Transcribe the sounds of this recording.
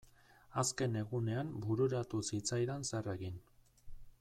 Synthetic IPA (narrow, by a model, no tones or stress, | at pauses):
aske̞ne̞ɣune̞ambuɾuɾat̪usit͡sajðensereɣin